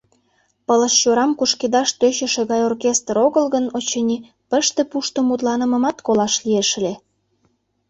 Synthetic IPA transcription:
pələʃt͡ɕoɾɑmkuʃked̪ɑʃt̪øɕĕʃeɣɑjorkest̪roɣəlɣənot͡ɕenʲi | pəʃt̪ĕpuʃt̪omut̪lɑnə̆mə̆mɑt̪kolɑʃlieʃ̆le

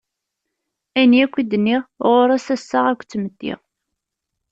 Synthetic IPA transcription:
æniækʷːid̪ənːiʁʁoɾæsæsːaʁækʷːt͡sːməd̪ːḭʁ

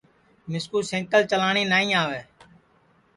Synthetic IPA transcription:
mɪskuːsɪ̃ŋkəlt͡ʃəlaːɳiːnaːĩːaːʋeː

